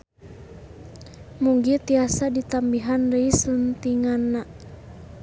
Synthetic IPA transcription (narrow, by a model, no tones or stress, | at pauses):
muŋɡit̪iasadit̪ambiɦandəisunt̪iŋanːa